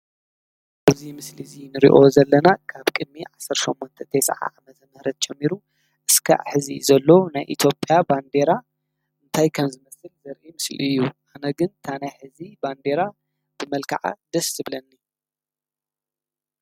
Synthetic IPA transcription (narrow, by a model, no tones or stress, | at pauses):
ʔaβzimɨslizinɨɾḭʔo̞zɐlːɐnakʰaβkʼɨd̪̚miʕasːɐɾʃomːɔnt̪ʰɐt̪ʰesa̰ʕa̰ʕamɐzɐmɐhɾɐt̪̚t͡ʃʼɛmːiɾu | ʔɨskʰa̰ʔħɨzḭzɐlːonajʔḭt̪ʰjo̞pʼjaband̪e̞ɾa | ʔɨnt̪ʰajkʰɐmzɨmɐsɨlzɐɾʔimɨslɨjːuʔanɐɡɨnt̪ʰanajħɨziband̪e̞ɾa | b̥ɨmɐlkʰa̰ʕa̰d̪̥ɐsɨβlɐnːi